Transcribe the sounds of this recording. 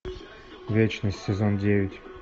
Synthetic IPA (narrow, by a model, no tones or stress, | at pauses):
vʲet͡ɕnəsʲtʲsʲɪzondʲevʲɪtʲ